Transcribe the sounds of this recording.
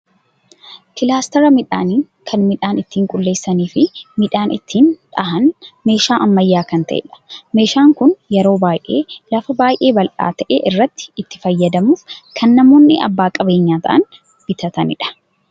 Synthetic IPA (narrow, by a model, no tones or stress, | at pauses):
kɪlaːst̪ɐɾɐmɪᶑa̰ːniːŋ | kʰɐnmɪᶑaːnɪt̪ːiːŋkʼʊlːe̞ːsːɐniːfɪmɪᶑaːnɪ̰t̪ʰːiːnᶑ̪ɐɦɐnme̞ːʃaːʔɐmːɐjːaːkɐnt̪ɐʔɛ̰ᶑɐ̥me̞ːʃaːŋkʊnjɛɾo̞ːbaːjʔe̞ːlɐfɐbaːjʔe̞ːbɐlʔa̰ːt̪ɐʔḛːʔɪrːɐt̪ːɪ̥ːt̪ːɪ̥fɐjːɐd̪ɐmuːfkʰɐnːɐmo̞ːnːɪɐ̰bːaːkʼɐbeːɲːaːt̪ʰɐ̰ʔɐ̰n | b̥ɪt̪ʰɐt̪ɐnɪᶑɐ̥